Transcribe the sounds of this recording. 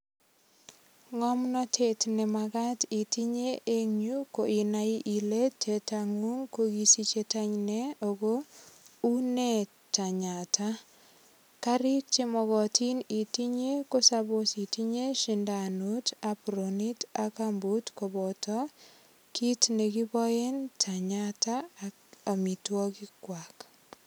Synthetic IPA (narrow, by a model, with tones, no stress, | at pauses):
ŋɔ˦mnɔ˦tʰe˨tnɛ˨maɡa˦ti˨ti˦ɲe˦ʔe˦ŋu˦ko˨ʔi˨na˦i˦ʔi˨le˦tʰːe˨taŋu˦ŋko˦ɡi˦si˦t͡ʃe˦ta˦ɲnɛ˦o˨ɡo˦u˦ne˦ | ta˨ɲa˨tʰa˦ | ka˦ɾi˦k̚t͡ʃe˦mɔ˨ɣɔ˨tʰi˦ni˨ti˦ɲe˦ko˦sabosi˨ti˦ɲe˦ʃinda˨nu˦tapɾoni˦takambu˦tkobɔtɔ˦ | kʰi˦tne˨ki˦bɔ˦je˦ntʰa˨ɲata | a˨mi˨twɔ˦ki˦kwak